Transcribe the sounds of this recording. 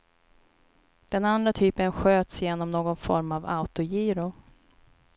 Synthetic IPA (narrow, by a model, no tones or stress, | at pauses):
d̪̥ɛnand̪ɾat̪ʰyːpənɧøːt̪sjeːnɔmnoːɡɔnfɔ̰ɾmava̰ʊt̪ʊjiːɾʊ